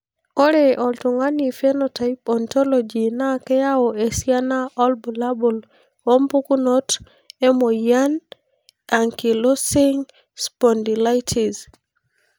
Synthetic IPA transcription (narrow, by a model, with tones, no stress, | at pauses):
o˦ɾe˨ʔɔ˨ltu˨ŋa˦ni˨fɛ˦nota˨ipɔ˨ntɔ˦lɔd͡ʒi˨na˦kɛ˦ja˦ɔe˨si˦a˦na˦ɔ˦lbu˨la˦bu˨l | o˦mpu˦ku˦no˦t | ɛ˦mo˨ja˦n | a˨ŋki˨lo˦sɪ˦ŋ | spɔ˨ndi˨la˦jtʰi˨z